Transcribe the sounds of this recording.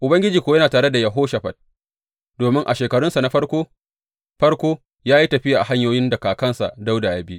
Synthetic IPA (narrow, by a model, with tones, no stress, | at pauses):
ʔʊ˨bɐ˦ŋɡʲɪ˦d͡ʒiː˨kʷoː˦jɐ˦naː˨taː˨ɽe˦da˨jɐ˨ɦoː˦ʃɐ˨ɸɐ˨t̚ | doː˨mɪ˦ŋʔa̰˨ʃeː˨kɐ˨ɽʊ˦nsa˨na˦ɸɐ˦ɽkʷoː˦ | ɸɐ˦ɽkʷoː˦ | jaː˦ji˦tɐ˨ɸɪ˦jaː˨ʔa˨ha˦ɲjoː˦jɪ˦ndɐ˨kaː˨kɐ˦nsa̰˨ʔda˦wdaː˨ja˦bi˦